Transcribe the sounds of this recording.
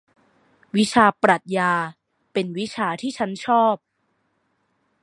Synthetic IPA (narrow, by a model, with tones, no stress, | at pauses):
wi˦˥t͡ɕʰaː˧pɾa˨˩t̪̚jaː˧ | pe˧nwi˦˥t͡ɕʰaː˧t̪ʰiː˥˩t͡ɕʰa˦˥nt͡ɕʰɔː˥˩p̚